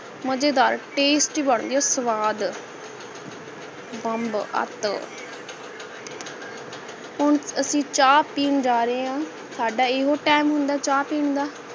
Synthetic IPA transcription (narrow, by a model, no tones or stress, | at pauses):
məd͡ʒeːd̪aːɾʈeːsʈiːbəɳ̃d̪ijaːsəʋaːd̪ | bəmbə̰t̪ | ɦʊɳəsĩːt͡ʃaːpiːnd͡ʒaːɾeãː | saːɖaːɪɦoːʈɛːmɦʊ̃nd̪aːt͡ʃaːpiːɳd̪aː